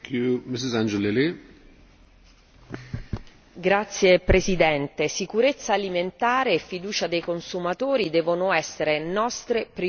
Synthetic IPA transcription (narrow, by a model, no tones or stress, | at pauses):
kumɪs̬ɪzãnd͡ʒelili | ɡɾat̪sːjepɾesid̪ɛnt̪esikuɾet̪sːaːliment̪aːɾeːfːid̪uːt͡ʃad̪ejkonsumat̪oːɾid̪ɛːvonoɛsːeɾenɔst̪ɾepɾi